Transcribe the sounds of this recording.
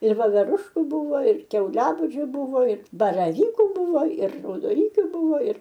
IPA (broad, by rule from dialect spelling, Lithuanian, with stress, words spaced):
ɪr ʋoːʋʲɛˈrʊʃkʊ ˈbʊʋoː ɪr kʲɛʊˈlʲæːbuːd͡ʒʲʊ ˈbʊʋoː ɪr bɐrɐˈʋʲiːkʊ ˈbʊʋoː ɪr rɐʊdoːˈnʲiːkʲʊ ˈbuːʋoː ɪr